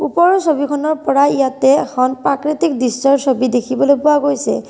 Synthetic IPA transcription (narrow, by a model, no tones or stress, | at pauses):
upɔɹɔsobikʰɔnɔɹpɔɹaijat̪ɛkʰɔnpɹakɹit̪ikdistɔɹsobidekʰibɔlojpʊaɡojsɛ̰